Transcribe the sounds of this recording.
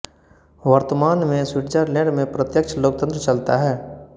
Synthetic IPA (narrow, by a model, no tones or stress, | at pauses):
ʋəɾt̪əmaːnmẽswɪʈt͡ʃəɾlẽɖmẽpɾət̪jəkt͡ʃʰəloːk̚t̪ə̃nt̪ɾət͡ʃɐlt̪aɦɛː